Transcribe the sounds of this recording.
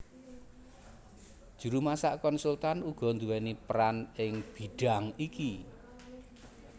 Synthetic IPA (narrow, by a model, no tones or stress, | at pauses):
d̥ʒ̥ṳɾumasaʔkɔnsult̪anuɡ̥ɔ̤nd̪uwɛnipɾanɪŋb̥i̤ɖ̥a̤ŋiki